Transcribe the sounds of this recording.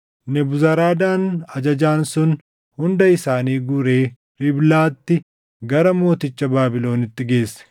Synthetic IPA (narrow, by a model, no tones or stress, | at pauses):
nɛbʊzɐɾaːd̪aːnɐd͡ʒɐd͡ʒaːnsʊn | hʊnd̪ɐɪsaːniːɡʊɾeː | ɾɪblaːt̪ːɪ | ɡɐɾɐmo̞ːt̪ɪt͡ʃːɐbaːbɪlo̞ːnɪt̪ːɪɡe̞ːsːɛ̥